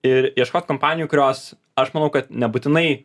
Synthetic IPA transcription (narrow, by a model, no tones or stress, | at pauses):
ɪɾiɛʃkoːt̪ʲkompɑːnʲɪjuːkʊɾʲoːs | ɐʃmɐnɐʊkɐt̪nʲɛbuːt̪ʲɪnɐɪ